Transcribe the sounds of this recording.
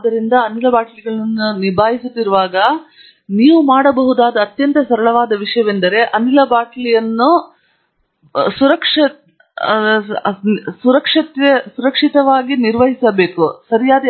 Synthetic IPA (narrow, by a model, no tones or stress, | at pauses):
d̪ːɐɾind̪ɐːnilɐbaːʈɐliɡɐɭɐɐnːunibʱaːjisut̪ːiɾuʋaːɡɐ | niːʋumaːɽɐbɐɦud̪aːd̪ɐːt̪jɐnt̪ɐsɐɾɐɭɐʋaːd̪ɐʋiʂɐjɐʋend̪ɐɾe̞ʔɐnilɐbaːʈlijɐnːu | suɾɐkʂɐ | suɾɐkʂɐt̪ɐsuɾɐkʂit̪ɐʋaːɡiniɾʋɐɦisɐbe̞ːkusɐɾijaːd̪ɐ